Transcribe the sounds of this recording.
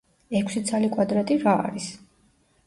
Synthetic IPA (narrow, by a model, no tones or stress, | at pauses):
ɛkʰsit̪sʰalikʼwad̪ɾat̪ʼiɾa̰ːɾis